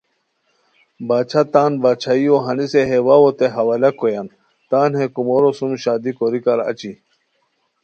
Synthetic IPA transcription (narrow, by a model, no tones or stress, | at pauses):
baːt͡ɕʰat̪aːnbaːt͡ɕʰaioɦɐniseɦewawot̪eɦɐwalɐkojan | t̪aːnhekumoɾosumɕaːd̪ikoɾikaɾɐ̰t͡ɕi